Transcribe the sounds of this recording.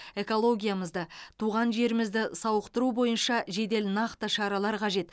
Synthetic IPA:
e̞ko̞lˠo̞ɡʲijaməzd̪ət̪ʰuʁɑnʒe̞ɾɪmɪzd̪ɪsɑwəqt̪əɾubo̞jənʃɑʒe̞d̪e̞lnɑqt̪əʃɑɾɑlˠɑɾqʰɑʒe̞t̪

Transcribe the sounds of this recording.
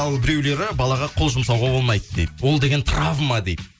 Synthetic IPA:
ɑlˠbɪɾe̞wle̞ɾɪbɑlˠɑʁɑqʰolˠʒʊmsɑwʁɑbo̞lˠmɑjt̪əd̪ejd̪wo̞lˠd̪e̞ɡʲe̞nt̪ʰɾavmɑd̪ej̪

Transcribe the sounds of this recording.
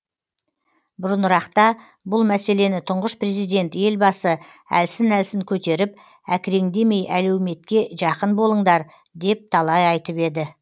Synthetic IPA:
bʊɾənɾɑqt̪ɑ | bʊlˠmæse̞le̞nɪt̪ʰʊɴʁəspre̞zijd̪e̞nt̪je̞lbɑsə | æ̰lsɪnælsɪŋkʲʰɵt̪e̞ɾɪp̚ | ækʲɪɾe̞ŋd̪e̞me̞jʔælewme̞t̪kʲe̞ʒɑqənbo̞lˠəɴd̪ɑɾ | d̪e̞p̚t̪ʰɑlˠɑjɑjt̪əpe̞d̪ɪ

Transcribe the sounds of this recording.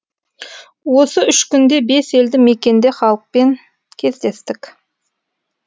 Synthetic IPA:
wo̞səʏʃkʲʏnd̪e̞be̞se̞ld̪ɪme̞kʲe̞nd̪e̞χɑlˠəq̚pe̞ŋ | kʲʰe̞zd̪e̞st̪ɪkʲ

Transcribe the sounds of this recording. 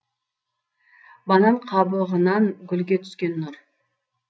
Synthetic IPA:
bɑnɑɴqʰɑbəlˠʁənɑŋɡʲʏlɡʲe̞t̪ʰʏ̥skʲe̞nːʊr

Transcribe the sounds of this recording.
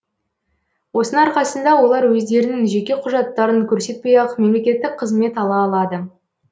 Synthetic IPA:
wo̞sənəɑɾqɑsənd̪ɑwo̞lˠɑɾwɵzd̪e̞ɾɪnɪŋʒe̞kʲe̞qʰʊʒɑt̪ːɑɾəŋkʲʰɵɾse̞t̪̚pejɑqme̞mlekʲe̞t̪ːɪk̚qʰəzme̞t̪ɑlˠɑːlˠɑd̪ə

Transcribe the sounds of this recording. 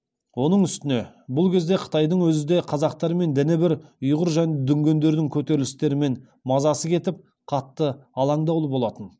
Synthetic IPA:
wo̞nəɴʏst̪ɪne̞ | bʊlˠkʲʰe̞zd̪e̞qʰə̥t̪ɑjd̪əɴwɵzɪd̪e̞qʰɑzɑq̚t̪ɑɾme̞nd̪ɪnɪbɪɾʊjʁəɾʒæne̞d̪ʏŋɡʲe̞nd̪e̞ɾd̪ɪŋkʲʰɵt̪e̞ɾɪlɪst̪e̞ɾɪme̞n | mɑzɑsəkʲʰe̞t̪ɪp̚ | qʰɑt̪ːəɑlˠɑɴd̪ɑwlˠəbo̞lˠɑt̪ən

